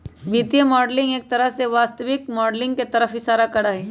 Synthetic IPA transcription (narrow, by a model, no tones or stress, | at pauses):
biːt̪ijəmɔːɖlɪ̃ŋɡeːk̚t̪ɐɾəɦseʋaːst̪əʋɪkmɔːɖlɪ̃ŋɡket̪ɐɾəfɪsaːɾakɐɽaɦɛː